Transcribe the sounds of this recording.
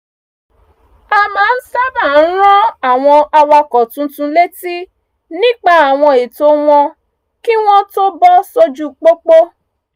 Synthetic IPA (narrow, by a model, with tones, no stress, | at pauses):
a˨mãː˨˦n̩˦sa˦ba˦˨n̩˦ɾ̃ɔ̃˦a˨w̃ɔ̃˧a˧wa˧kɔ˨tũ˧tũ˧˦le˦ti˦ | nĩ˦k͡pa˧a˨w̃ɔ̃˧e˨to˦w̃ɔ̃˧ | ki˦w̃ɔ̃˦to˦bɔ˦so˦d͡ʒu˦k͡po˦k͡po˦